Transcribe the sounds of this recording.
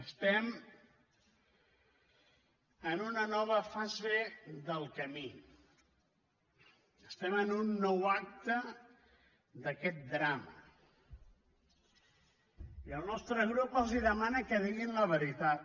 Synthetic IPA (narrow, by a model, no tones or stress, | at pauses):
əst̪ɛm | ənunənɔβ̞əfazeðəlˠkəmi | əst̪ɛmənunːɔwak̚t̪ə | d̪əkɛt̪̚d̪ɾamə | iəlˠnɔst̪ɾəɣɾupəlˠziðəmanəkəðiɣinləβəɾit̪at̪